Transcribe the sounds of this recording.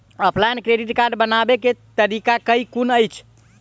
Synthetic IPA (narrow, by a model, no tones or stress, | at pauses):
əpʰlankɾeɖiʈkaɾɖbənabeket̪əɾikakəikunəjt͡ʃʰ